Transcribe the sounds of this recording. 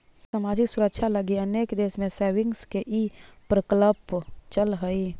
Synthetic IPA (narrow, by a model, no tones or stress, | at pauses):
səmad͡ʒiksuɾəkʃʰaləɡiəneːkd̪eːsmẽseʋɪŋɡskeʔipɾəkləpt͡ʃəlɦəi